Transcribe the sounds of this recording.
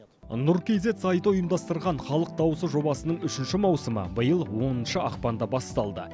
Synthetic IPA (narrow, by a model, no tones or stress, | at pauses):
nʊɾkʲejze̞t̪sɑjt̪əʊjəmd̪ɑst̪əɾʁɑɴχɑlˠəq̚d̪ɑwəsəʒo̞bɑsənəɴʏʃɪnʃɪmɑwsəmə̰bəjəlˠwo̞nənʃəɑqpɑnd̪ɑbɑst̪ɑlˠd̪ə̰